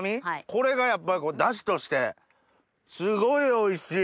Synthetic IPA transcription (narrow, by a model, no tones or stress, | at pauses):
mʲiko̞ɾe̞ɡajapːaɾʲiko̞ːd̪aɕ̬i̥t̪o̞ɕi̥t̪e̞ | sɨɡo̞io̞iɕiː